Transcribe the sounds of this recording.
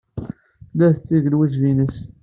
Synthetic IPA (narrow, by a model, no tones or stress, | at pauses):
læðt͡sːiʝəlwæʒlinəs